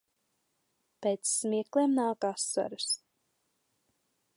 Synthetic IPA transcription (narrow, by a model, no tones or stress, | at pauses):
pɛjt̪sːmiɛkleːmnawkasɔ̰ɾɨs